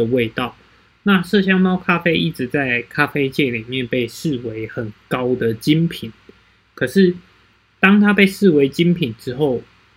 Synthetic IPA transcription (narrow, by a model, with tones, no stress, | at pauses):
ə˨we˥˧ɪt̪ɑ˥˨˩ʊ | na˥˨ʂɤ˥˨ɕ̬jɑ˥ŋmɑ˥ʊkʰa˥fe˥ɪi˥˩ʈ͡ʂɻ̩˨˦t͡sa˥˩ɪkʰa˦˥fe˥ɪt͡ɕjɛ˥˩li˨˩mjɛ˥˨npe˥˧ɪʂɻ̩˥˨we˦ɪxə˨˩nkɑ˦˥ʊd̪ə˨t͡ɕi˦˥npʰi˨˩˦n | kʰə˨˩ʂɻ̩˥˨ | t̪ɑ˥ŋt̪ʰa˥pe˥˧ɪʂɻ̩˥˨we˧˦˥ɪt͡ɕi˦˥npʰi˨˩nʈ͡ʂɻ̩˦xo˥˩ʊ